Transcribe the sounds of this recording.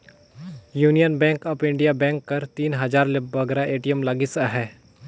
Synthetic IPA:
juːnijənbɛ̃ːŋkɐpɪ̃ɳɖijabɛ̃ːŋkːɐɾt̪iːnɦɐzaːɾlɪbʋɐɡɾaʔeːʈijəmlaɡɪsaɦɛː

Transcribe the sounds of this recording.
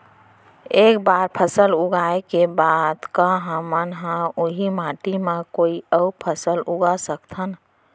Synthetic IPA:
eːkbaːɾpʰəsəlʊɡaekebaːd̪kaɦəmənɦãʊɦimãːʈimẽkoːiəʊpʰəsəlʊɡasəkt̪ʰən

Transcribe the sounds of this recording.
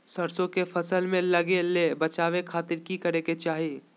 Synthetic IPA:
sɐɾsõkefʰɐsəlmẽlɐɡelebɐt͡ʃaːʋekʰaːt̪ɪɾkikɐɾeket͡ʃaːɦie

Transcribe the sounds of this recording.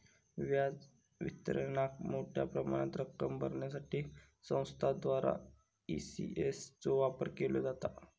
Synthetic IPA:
ʋjad͡z | ʋit̪əɾəɳakmoʈʰja̰pɾəma̰ɽ̃at̪ɾəkːəmbʱə̰ɾɳjasaʈʰiː | sə̃w̃st̪ʰad̪ʋaɾa̰ | isḭʔest͡soʋapəɾkelod͡zat̪a

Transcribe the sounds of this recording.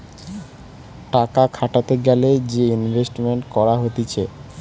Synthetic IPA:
ʈakakʰaʈat̪eɡɛled͡ʑeinbʱesʈmeɳʈkɔɾaɦot̪it͡ɕʰe

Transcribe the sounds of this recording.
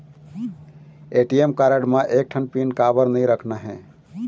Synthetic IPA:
eʈiemkaɾəɽmaʔek̚ʈʰənpinkabəɾnəiɾəkʰnaɦɛ̃

